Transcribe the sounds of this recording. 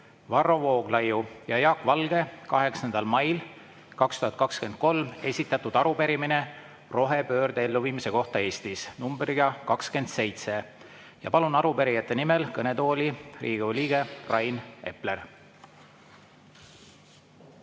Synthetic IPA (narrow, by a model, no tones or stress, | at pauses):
vɑrːo̞vo̞ːɡ̥lɑjujɑjɑːkːvɑlɡ̥e̞kɑɦe̞ksɑnd̪̥ɑlmɑjl | kɑkst̪uhɑt̪̚kɑkske̞nd̪̥̚ko̞lme̞sʲit̪ːˑɑt̪ːud̪̥ɑɾupe̞ɾimine̞ | ro̞ɦe̞pø̞ːrd̪ee̞lːuviːmise̞ko̞ht̪ɑe̞ːsʲt̪isnumbɾiɡ̥ɑkɑkske̞nd̪̥se̞jt̪se̞ | jɑpɑlunɑɾupe̞ɾijɑt̪ːˑe̞nimelkɤne̞t̪o̞ːlʲiriːɡ̥eolʲiːɡ̥e̞rɑjne̞̰pler